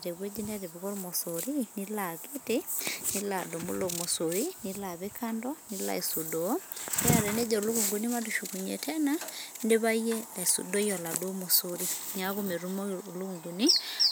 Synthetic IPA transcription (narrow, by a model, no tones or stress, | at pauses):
ɾeβwed͡ʒinaɾeβiɣoɾumɔsoɾinilaketeniladomṵlomosoɾinilaβekʰandɔnila̰esudɔdeaɾened͡ʒɔluɣuŋɡunimatuʃukuɲḛtʰɛnandeβaielaesṵdɔjɔladomosoɾiɲaɣomeɾumoluŋɡuni